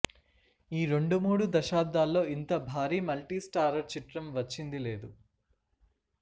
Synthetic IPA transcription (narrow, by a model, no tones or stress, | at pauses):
iːɾe̞ɳɖumuːɽud̪ɐʃaːd̪aːlːo̞ːint̪ɐbʱaːɾiːmɐlʈiːsʈaːɾɐɾt͡ʃiʈɾɐmʋɐt͡ʃːind̪ile̞ːd̪u